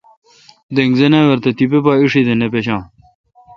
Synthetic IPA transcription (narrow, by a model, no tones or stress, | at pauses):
d̪eŋɡzenẽːweɾt̪ɐt̪ipepaːiʂid̪enepeɕãː